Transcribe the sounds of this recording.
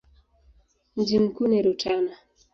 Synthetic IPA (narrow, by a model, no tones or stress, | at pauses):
nd͡ʒimkuneɾotana